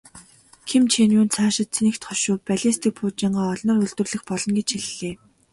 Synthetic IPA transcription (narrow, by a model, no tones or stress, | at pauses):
kʰemt͡ɕʰenuːnt͡sʰaːʃɪ̆t̪t͡sʰenɘ̆kt̪χɔʃʊːpæɮʲist̪ĭːk̚pʰuːt͡ɕiːɴɢaːɔɮnɞ̆rɵɮt̪ɵ̆rɮɘ̆xpɔɮɞ̆nɡet͡ɕxeɮɘ̆ɮeː